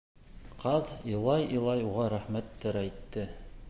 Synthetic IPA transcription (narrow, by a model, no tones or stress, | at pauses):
qɑðilˠɑjilˠɑjuʁɑɾæχmæt̪ːæɾæjt̪ːɘ